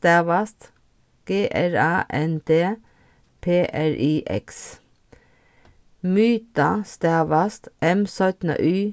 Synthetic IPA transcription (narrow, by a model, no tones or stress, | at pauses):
t̪æːʋɑst̪ | ɡ̥eːʔæɹɑːʔɛnd̪eː | pʰeːʔæɹʔiːʔɛ̰ks | myːt̪ɑst̪æːʋɑst̪ʔɛmsœt̪nə̰ʔyː